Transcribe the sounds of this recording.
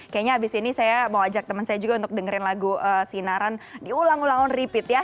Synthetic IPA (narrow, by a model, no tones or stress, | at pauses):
kajaʔɲaabɪsinisajabawaad͡ʒak̚t̪əmənsajad͡ʒuɡaunt̪ʊk̚dəŋəɾɪnlaɡuəsinaɾandiulaŋulaŋɔnripɪt̪ja